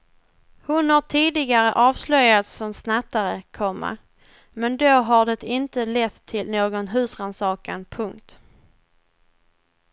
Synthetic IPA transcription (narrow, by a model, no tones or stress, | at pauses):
hʊnhaʈʰiːd̪ɪɡaɾəʔɑːvslœjːat̪sɔmsnat̪ːaɾəkʰɔmːa̰ | mɛnd̪oɦaɖɛt̪ɪnt̪əlɛt̪ʰːɪlnoːɡɔnɦʉ̟ːsɾansɑːkanpʰɵŋkt̪